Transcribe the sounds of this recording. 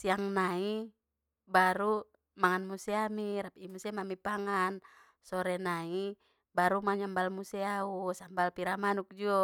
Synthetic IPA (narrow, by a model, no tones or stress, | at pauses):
siaŋnai | baɾu | maŋanmusɛamiɾapimusɛmamipaŋan | sɔɾɛnai | baɾumaaɲambalmusɛausambalpiɾamanuk̚d͡ʒuɔ